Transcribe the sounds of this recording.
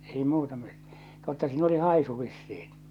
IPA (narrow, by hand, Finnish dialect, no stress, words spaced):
ei muːtɑ mi̥t totːɑ siːn oli hɑˑisu ʋisːiːn